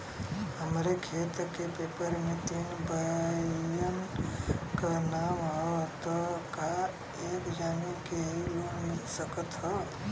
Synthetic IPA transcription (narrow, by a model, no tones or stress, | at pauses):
ɦəmɾekʰeːt̪kepepəɾmẽt̪iːnbəjən | kənamɦɔt̪ɔka | eːkd͡ʒaːmikejumɪlsəkət̪ɦɔː